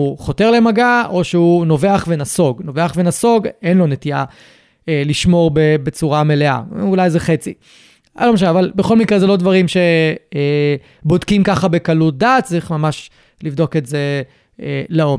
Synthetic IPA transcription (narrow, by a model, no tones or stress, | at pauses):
uχo̞te̞ʁlemaɡaʔo̞ʃeuno̞ve̞aχve̞naso̞ɡno̞veaχvenaso̞ɡenlo̞netia | eliʃmo̞ʁbebet͡suʁame̞le̞a̰ulajzeχet͡si | a̰lo̞meʃaneavalbeχo̞lmikʁezelo̞dvaʁimʃe̞ | bodkimkaχabe̞kalut̚d̪aːt̚t͡sʁiχmamaʃ | livd̪o̞ke̞tze | eleom